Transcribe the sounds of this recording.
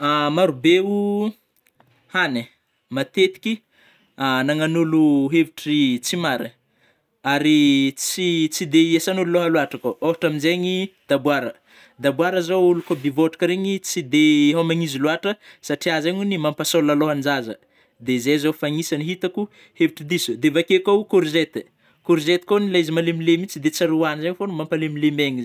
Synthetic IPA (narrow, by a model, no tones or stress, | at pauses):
amaɾubeu | hane | mat̪et̪i̥kʲi | anaŋanuluɦeviʈ͡ʂit͡simaɾi | aɾit͡sit͡sid̪eiesanululoɦaluaʈ͡ʂakooɦaʈ͡ʂaminzeɲid̪abwaɾə | d̪abwaɾəzowulukobivoʈ͡ʂi̥kəɾeɲit͡sid̪eɦamaŋiziluaʈ͡ʂəsaʈ͡ʂiazaɲunimampasolaloɦand͡ʒazə̰ | d̪ezezofaɲisaniɦit̪aku | heviʈ͡ʂid̪isud̪evakekakuɾzet̪ | kuɾzet̪i̥konilajzimalemilemit͡sid̪et͡saɾuanizaɲfonumampalemilemeɲi